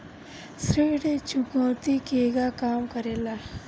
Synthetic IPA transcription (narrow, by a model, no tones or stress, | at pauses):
sɾeːɽet͡ʃukɔ̃ːt̪ikeːɡakaːmkɐɾeːla